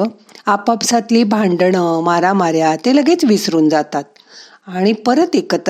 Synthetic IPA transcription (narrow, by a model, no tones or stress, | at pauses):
apapsat̪liːbʱãɳɖɳəmaɾamaɾjat̪eləɡet͡sʋisɾuːnd͡zat̪at̪̚ | aɽ̃ipəɾət̪ekət̪